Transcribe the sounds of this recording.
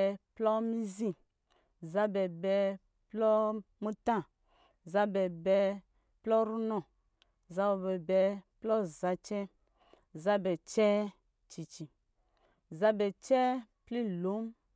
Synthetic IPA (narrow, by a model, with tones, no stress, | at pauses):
plɔ˦mi˦zi˨ | za˦bɛ˨bɛ˨ | plɔ˦mu˦tã˦˨ | za˦bɛ˨bɛ˨ | plɔ˦ɾu˦nɔ˨ | za˦bɔ˨bɛ˨bɛ˨plɔ˦za˨t͡ʃɛ˦ | za˦bɛ˨t͡ʃɛ˦ | t͡ʃi˨t͡ʃi˨ | za˦bɛ˨t͡ʃɛ˦ | pli˦lo˨˦m